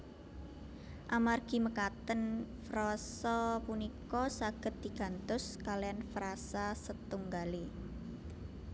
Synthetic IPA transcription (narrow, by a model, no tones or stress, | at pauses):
ʔamarɡ̥i̤məkat̪ənfɾɔsɔpunikɔsaɡ̥ə̤t̪̚d̪̥i̤ɡ̥a̤nt̪ʊskalianfɾasasət̪uŋɡale